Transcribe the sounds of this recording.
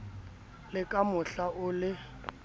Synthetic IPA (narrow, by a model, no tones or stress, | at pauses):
lɪkʼamʊɬaʊlɪ